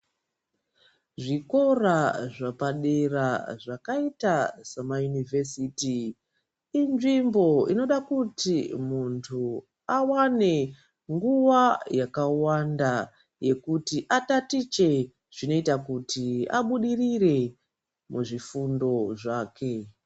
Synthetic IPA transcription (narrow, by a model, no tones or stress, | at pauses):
ʐiko̞raʐapaɗe̞raʐakaitasamajunivesitiː | nʐimbo̞ino̞ɗakutimuntʰu | awane̞ | ŋɡuʋajakawanda | je̞kutiʔatatit͡ʃe̞ | ʐ̥ino̞itakutia̰ɓuɗirire̞ | muʐifundo̞ʐaːke̞